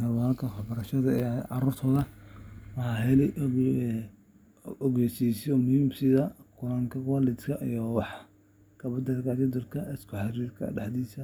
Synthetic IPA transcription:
hɐwalk̪ʰɐwɑħbɐɾɐʃɐðɐɛɑ̰ɾuːrt̪ʰɔːðɐwɑħɑːɦɛlɛʔ | ɔɣɛːsiːsɔmʊhiːmsɪðɐkʰʊlɐŋkʰɐwaːlɪd̪kʰɐʔijɔwɑħ | kʰɐbɐd̪ɐɾkat͡ʃɔd̪ɔlkʰɐɪskʰʊħɑɾiːrkʰɐ̰ɖɑħd̪iːsɐ

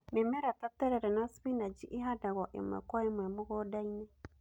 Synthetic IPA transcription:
memɛɾatatɛɾɛɾɛnasβinad͡ʒiʔiɦadaɣɔʔḛmwɛ̰kwaemwɛmuɣɔdaine

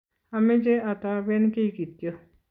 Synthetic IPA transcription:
amẽd͡ʒeat̪abenkeikit̪jo

